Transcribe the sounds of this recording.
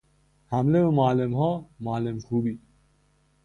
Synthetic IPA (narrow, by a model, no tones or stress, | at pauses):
hamleumaːlemhɔːmaːlemxuːbiː